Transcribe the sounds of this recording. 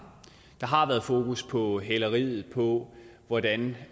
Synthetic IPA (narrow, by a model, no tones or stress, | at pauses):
d̥ɑ̈ɦɑ̈ʋæːɐðˠfo̝ːkʰuspʰɒ̽ɦelɐʁiːð̞̩ˠpʰɒ̽ʋɒd̥æn